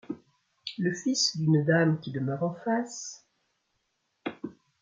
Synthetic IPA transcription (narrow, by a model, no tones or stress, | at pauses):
ləfisd̪ynd̪amkʲid̪əmœʁɑ̃fas